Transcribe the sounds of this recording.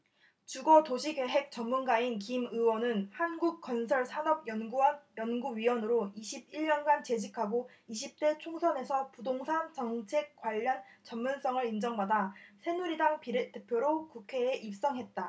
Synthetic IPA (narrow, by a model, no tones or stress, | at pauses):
t͡ɕuɡʌtoɕʰiɡe̞ɦe̞k̚t͡ɕ͈ʌnmunɡainkimɯwʌnɯnhanɡuk̚k͈ʌnsʰʌɭsʰanʌb̚jʌnɡuʌnjʌnɡuɥiwʌnɯɾoiɕʰibiɭɲʌnɡant͡ɕe̞d͡ʑikʰaɡo | iɕʰip̚t͈e̞t͡ɕʰoŋsʰʌne̞sʰʌpudoŋsʰant͡ɕʌŋt͡ɕʰe̞k̚k͈waʎːʌnt͡ɕʌmmuns͈ʌŋɯɾind͡ʑʌŋmadasʰe̞nuɾidaŋpiɾet͈epʰjoɾokukʰe̞ːʔip̚s͈ʌŋɦe̞t̚t͈a